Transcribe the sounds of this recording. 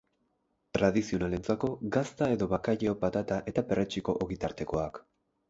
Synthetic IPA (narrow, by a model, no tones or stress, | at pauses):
t̪ɾað̞isio̞nale̞nt͡sako̞ɡast̪ae̞ðo̞βakajeopat̪at̪aʔe̞t̪ape̞rʔet͡ʃiko̞ʔoɣit̪aɾt̪e̞ko̞ak